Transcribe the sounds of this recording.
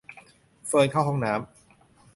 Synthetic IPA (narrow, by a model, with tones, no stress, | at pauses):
fɤː˧jkʰa˥˩wɦɔ˧˥˩ŋnaː˩˦˥m